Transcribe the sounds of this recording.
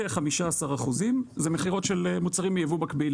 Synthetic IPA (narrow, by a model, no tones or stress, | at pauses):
eχamiʃaasaʁaχuzimzemeχiʁo̞tʃelemut͡saʁimːejevumakbil